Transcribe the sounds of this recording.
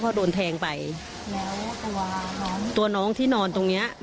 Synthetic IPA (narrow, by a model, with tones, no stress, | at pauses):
kʰɔː˧˩doː˧nt̪ʰɛː˧ŋpa˧j | lɛː˦˥wt̪u˧˩nɔː˦ŋt̪u˧ɐnɔː˦˥ŋt̪ʰiː˥˩nɔː˧nt̪o˧ŋni˦˥ɐ